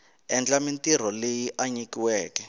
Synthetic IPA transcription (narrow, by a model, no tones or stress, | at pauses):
ɛnd͡ɮamintir̤ɔlejiʔaɲikiwɛːkɛ